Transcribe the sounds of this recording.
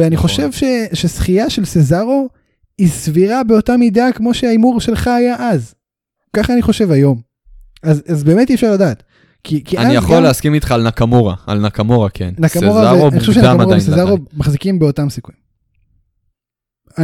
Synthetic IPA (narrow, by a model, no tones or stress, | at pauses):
eaniχo̞ʃe̞vʃe̞ʃe̞sχijaʃe̞lsezaʁo̞ | isviʁabe̞otamidakmo̞ʃeaimuʁʃe̞lχaːjaʔaz | kaχaːniχo̞ʃe̞vajo̞m | azazbe̞ːme̞tifʃaʁladaːt | kʰikianaijaχolleaskimit̪χaːlnakamoʁa̰a̰lnakamoʁakʰḛnnakamoʁaeoanioʃvʃenamoabesezaʁomaχzikimbeo̞tamsikuim | a